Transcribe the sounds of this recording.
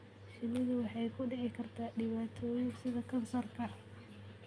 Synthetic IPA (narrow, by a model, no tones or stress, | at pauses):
ʃɪmɪɣʊwɑħɑjkʰʊɖɪʕɪkʰɐrt̪ʰaːɖɪβaːt̪ʰɔːjɪsɪðɐkʰɐnsɐrkʰɐ